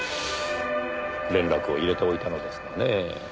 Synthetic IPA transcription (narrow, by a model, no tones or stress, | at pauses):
ɾẽnɾakɯ̟o̞iɾe̞t̪eo̞it̪ano̞d̪e̞sɨ̥kane